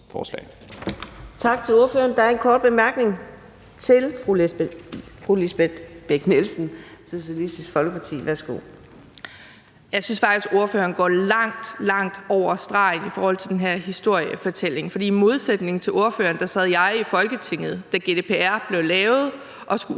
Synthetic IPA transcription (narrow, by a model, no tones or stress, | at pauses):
fɒ̰ːslɛ̰ɪ | t͡sʰɑ̈ɡ̥t͡sʰe̝loɐføːɐnd̥ɑæɐenkʰɒːd̥̚b̥e̝mæɐɡ̥ne̝ŋ | t͡sʰe̝lʁ | fʁulisb̥ed̥b̥eɡ̥nelsn̩so̝ɕælisd̥isɡ̥fɒ̽lɡ̥əpʰɑ̈t͡sʰḭːʋæɐsɡ̥o̝̰ː | jɑ̈ɪsynsfɑɡ̥isɡ̥o̝ɐføːɐnɡ̥ɒ̰ːlɑ̈ŋ̰d̥lɑ̈ŋ̰d̥ɒʊ̰ɐsd̥ʁɑ̈ɪnifɒːhɒl̰t͡sʰe̝d̥enɦæɐɦisd̥o̝ɐ̰jəfɒ̽t͡sʰel̰e̝ŋfɒ̽d̥ḭːmo̝ð̞ˠsed̥ne̝ŋ̩t͡sʰe̝lʔo̝ɐfø̰ːɐnd̥ɑ̈sɛð̞̩̰ˠjɑ̈ɪifɒ̽lɡ̥ət͡sʰe̝ŋ̰ð̞̩ˠd̥æɡ̥e̝d̥e̝ːpʰe̝æɐ̰b̥le̝ʊlɛːʊð̞̩ˠ | ʔɒ̽sɡ̥u